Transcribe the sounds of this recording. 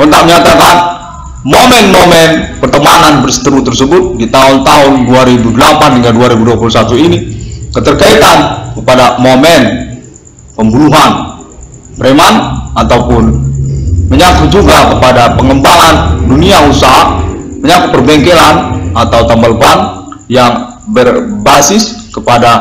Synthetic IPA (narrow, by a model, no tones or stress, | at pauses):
ɔnt̪aməɲat̪akan | momɛnmomɛnpərt̪əmananbərsə̥t̪əɾut̪ərsəbʊt̪̚dit̪aʊnt̪aɦʊnduaɾibudəlapanhiŋɡalduaɾibuduapulusat̪uinikət̪ərkait̪ankəpadamomɛn | pəmbunuɦan | pəɾemanat̪aupʊn | məɲakut̪̚d͡ʒuɡakəpadapəŋəmbaŋanduniausaɦa | məɲakʊt̪̚pərbɛŋkelanat̪awt̪ambalpanjaŋ | bərbasɪskəpada